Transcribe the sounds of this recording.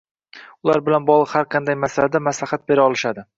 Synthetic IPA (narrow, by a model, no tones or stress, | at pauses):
ʊlˠaɾbɪlanbɒʁlˠɨqhaɾqʰɑnd̪ajmasalad̪amaslaχat̪̚beɾaɒlˠɪʃad̪ɪ